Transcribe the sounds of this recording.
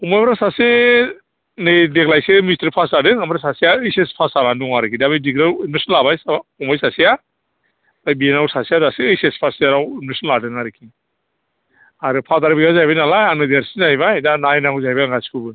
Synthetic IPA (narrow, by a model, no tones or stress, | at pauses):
umajbaɾasase | nedeklajsemistɾpʰasadɯŋambaɾasasijaɯjsespʰasalanduŋaɾɯkʰidabijdiɡɾainmesɔnlabajsaaumajsasija | dajbienawsasijadaseɯjsespʰasaɾawinmesɔnladɯŋaɾɯkʰi | aɾɯpʰataɾbiɡazajbajnalajanɯdaɾsizajβajdanajnaŋɡuzajbajŋɡaskʰɯbɯ